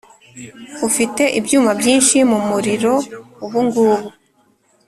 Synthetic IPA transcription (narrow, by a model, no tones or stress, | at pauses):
ufite̞ʔibjuːmabjiːnʃimumuɾiɾo̞uβuŋɡuːβu